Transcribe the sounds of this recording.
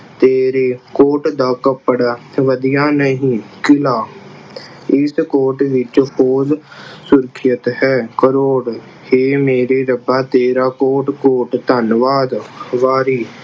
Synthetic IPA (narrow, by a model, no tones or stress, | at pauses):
t̪eːɾeːkoːʈd̪aːkəpəɽʋəd̪ijaːnəɦĩːkɪlaː | ɪskoːʈʋɪt͡ʃpoːzsʊɾkʰɪjət̪ɦɛːkəɾoːɽ | heːmeːɾeːɾəbaːt̪eːɾaːkoːʈkoːʈt̪ənʋaːd̪ʋaːɾiː